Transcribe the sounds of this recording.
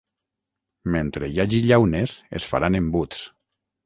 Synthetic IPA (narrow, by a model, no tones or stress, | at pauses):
ment̪ɾejaʒiʎawnesḛsfa̰ɾanembut̪t͡s